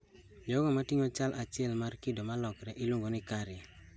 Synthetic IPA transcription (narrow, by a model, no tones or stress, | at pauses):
d͡ʒɔɡɔmatiŋot͡ʃalʔat͡ʃɪɛlmarkɪdomalɔkɾɛʔɪluŋɡonɪkaɾɪ